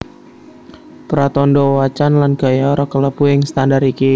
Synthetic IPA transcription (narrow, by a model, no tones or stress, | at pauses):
pəɾat̪ɔndɔwat͡ʃanlanɡ̥ajaɾɔkələpujəŋst̪andaɾiki